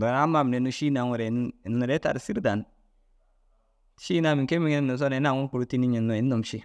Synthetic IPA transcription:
ba˨ɾa˦ma˦˨m˨ne˨nu˦ʃi˦na˨ŋu˨ɾe˨˦u˨ɾe˦ta̰˨ɾsi˦ɾda˨n˦ | ʃi˦na˨mi˨ŋ˨ke˦mi˦ŋi˦n˦˨nu˨s̬o˦ne˨˦na˨ŋu˦ku˨ɾu˦ti˦ni˦ɲi˨nːo˨i˨˦u˨mʃi˦

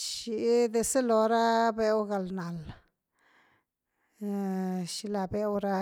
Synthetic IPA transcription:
ʃi˧d̪e˧se˦lo˧ɾa˦be˧wɡa˨lna˨l | ʃi˧la˧be˧wɾa˧

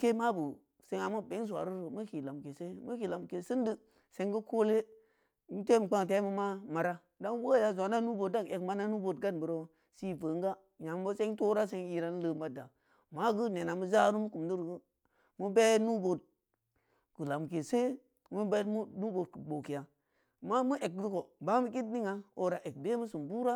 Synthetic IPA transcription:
ke˦ma˦bu˨ | se˨ŋa˨ma˦be˨˦ŋ˦s̬ʷa̰˨ɾu˦ɾo˨mu˦ki˨la˨mke˨se˦mu˦ki˨la˨mke˨sɨ˦ndi˦ | se˦ŋɡə˦kʰo˦le˦ | m˦te˦m˨k͡pa˦ŋ˨t̬e˦mu˦ma˦ma˨ɾa˦ | da˦ŋ˦wo˦˨ja˨zo˨na˦nu˦bo˨t̚da˦ŋ˨e˨kma˦na˦nu˦bo˨tɡa˦nbu˨ɾo˦ | si˦və˨ŋ˦ɡa˦ | ɲa˨m˨˦bo˦se˦ŋto˦ɾa˦s̬e˦ŋi˦ɾa˦n˦lə˦ma˦da˨ | ma˦ɡu˦ne˨na˨mu˦za˦ɾu˦mu˦ku˨mdu˦ɾɡə˦ | mu˦be˦nu˦bo˨d̚ | kə˨la˨m˨ke˨se˦ | mu˦be˦mu˦nu˦bo˨d̚ku˨ɡ͡bo˨ki˨ja˨ | ma˦mu˦ʔe˨k̚du˦ko˨ba˦mu˦k̬i˦tni˦ŋa˨o˨ɾa˨ʔe˨k̚de˦mu˦su˨mbu˦ɾa˦

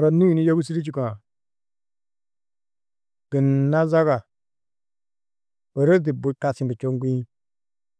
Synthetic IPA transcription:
ɾa˨ni˦ji˨ni˦jo˦ɡu˦si˦ɾi˦t͡ʃi˦˨ka˨ | ɡ̥ə˨nːa˦za˦ɡa˨ | bə˨ɾə˦d̬i˨bu˨˦ka˨si˦mbə˨t͡ʃo˦ŋ˦ɡu˦i˦

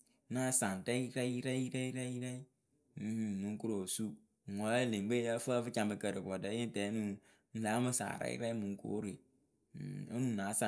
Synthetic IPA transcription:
na˦sa˨n˨tɛ˦i˦ɾɛ˦i˦ɾɛ˦ɾɛ˦i˦ɾɛ˦i˦ɾɛ˦i˦ | m̩˦˨h̩˨nu˨ŋ˦ku˦ɾo˨su˦ | ŋ̩˨wa˨˦˨le˨ŋ˨ɡ͡be˦a˦fə˦fɨ˦t͡ʃa˨m˨bə˨kə˨ɾə˨kɔ˨də˨˦je˦n˦tɛ˨˦nu˨ | n̩˦la˨˦ma˦sa̰ː˨ɾɛ̰˦ḭ˦ɾɛ˦mu˨ŋ˦ko̰ː˨˦ɾe˨ | o˦nu˨na˨˦sa˨

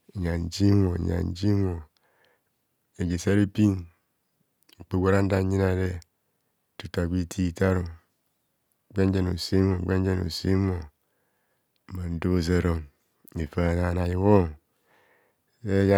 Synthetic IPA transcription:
ɲa˨n̩˨d͡ʒi˦mo̰˨ɲa̰˨n̩˦d͡ʒi˦mo˨ | e˨ɡe˨sa˦ɾe˦pi˦n˨ | k͡pe˦ɡʷo˦ɾa˦n̩˦da˦ɲi˦na˨de˦ | tu˨ta˨ɡi˦tʰi˦˨ta˦ɾo˨ | ɡ͡be˦n˦d͡ʒe˦no̰˨si˦mo˨ɡ͡be˦n˦d͡ʒe˦no̰˨si˦mo˨ | ma˨n̩˦do˦˨ze˦ɾo˦m | e˨fa˦˨na˨na˨ji˨ɣo˦ | e˦ja˦

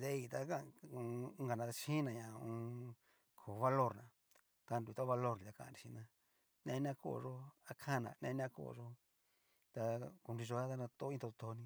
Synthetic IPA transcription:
d̪e˦i˧˨t̪a˧ka˦˧u˧˦ɡa˨nã˧ʃĩ˦nã˧˨ɲã˨ũ˧ | kʰo˨˧βa˧lo˦˨ɾnã˨ | t̪a˧ndu˧˨˧t̪o˦βa˧lo˦˧ɾnĩ˨t̪a˧kã˧˨ã̰˧ɾi˨ʃi˧nã˧ | nẽ˧nã˧ko̰˧˨˧ʐo˦a˧kʰã˦˨nã̰˨˧nḛ̃˧˦˧nã˧˦ko̰˧˨˧ʐo˦ | t̪a˧ku˧ɾi˧ʐo˧a˦t̪a˧nã˧t̪o˦ĩ˦t̪o˧o˧t̪o˧nĩ˧

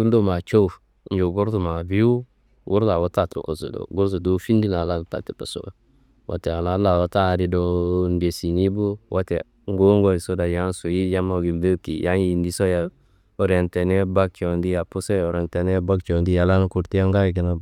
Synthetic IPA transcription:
u˦ndo˦ma˨t͡ʃo˦˨ | n˦d͡ʒo˨ɡu˦ɾtu˨ma˨bi˦u˦ | ɡu˦ɾta˨wo˦ta˦˨to̰˨ko˨zṵ˨do̰˨ɡu˦ɾzu˨do˦fi˦ndi˦na˨la˦n˨ta̰˨ti˨pa˨so̰˦˨ɡa˨ | wʔa̰˨te˨a˨la˦la˨wo˦ta˦˨ɾi˦do˦nde˨si˨ni˦bu˦wʔa˦te˨ | ŋ˦ɡo˦ŋ˦ɡo˦i˨so˦da˨ja˦n˦su˨ji˦ja˦ma˨ɡi˨mbe˦ki˨ja˦nji˨ndi˦so˦ja˨ | o˨ɾe˨nte˨ne˦ba˦k̚t͡ʃo˨ndi˦ja˨pu˦se˦o˨ɾe˨nte˨ne˦ba˦kt͡ʃo˨ndi˦ja˨la˦n˦ku˨ɾti˦ja˦ŋɡa˦˨ɡi˨na˦

